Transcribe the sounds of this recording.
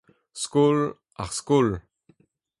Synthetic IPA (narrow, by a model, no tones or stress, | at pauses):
skul | a̰ʁskul